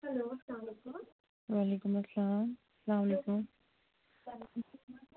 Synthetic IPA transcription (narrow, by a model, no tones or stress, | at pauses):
hɐloːsɐlaːmlekʊm | waːleːkʊmɐsːlaːm | sɐlaːmɐleːkʊm